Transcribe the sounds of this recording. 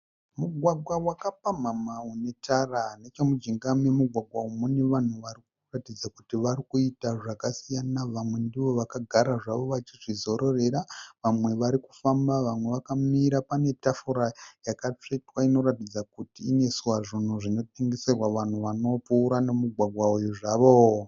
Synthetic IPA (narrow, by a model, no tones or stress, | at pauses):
muɡʱwaɡwawakapam̤amaune̞tarane̞t͡ʃe̞mud͡ʒiŋɡamemuɡʱwaɡʱwaumune̞ʋan̤uʋaɾik̚uratid͡zakutiʋaɾikuitaʐakasijanaʋamwe̞ndiʋo̞ʋakaɡʱaɾaʐaʋo̞ʋat͡ʃiʐizo̞ɾo̞re̞ɾaʋamwe̞ʋaɾiku̥fambaʋamwe̞ʋakamiɾapane̞tafuɾajakat͡ʂetwaino̞ɾatid͡zakutiːne̞suwaʐin̤uʐino̞t̚e̞ŋɡe̞serwaʋan̤uʋano̞puːɾane̞muɡʱwaɡʱwaujuʐaːʋo̞